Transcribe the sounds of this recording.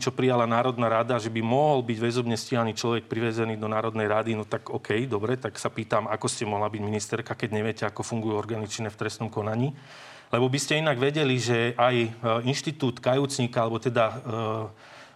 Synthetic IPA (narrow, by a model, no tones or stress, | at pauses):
t͡ʃɔpɾijalanaːɾɔd̪naɾad̪aʒɛbimɔɦɔlbiɟʋɛzɔbɲɛsciɦaniːt͡ʃlɔʋɛk̚pɾiʋɛzɛniːd̪ɔnaːɾɔd̪nɛjɾad̪inɔt̪aɡɔkʰɛjd̪ɔbɾɛt̪aksapiːt̪amakɔscɛmɔɦlabiɟminist̪ɛɾkakɛɟɲɛʋɪɛcɛakɔfuŋɡujuɔɾɡanit͡ʃinɛft̪ɾɛst̪nɔmkɔnaɲiː | lɛbɔbiscɛinaɡʋɛɟɛliʒɛʔajinʃt̪it̪uːt̪kajuːt͡sɲiːkaalɛbɔt̪ɛd̪a